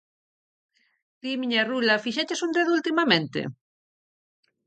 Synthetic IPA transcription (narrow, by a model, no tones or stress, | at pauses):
d̪̥imiɲarulɐfiʃet͡ʃesund̪eðult̪imɐmẽnt̪ḛ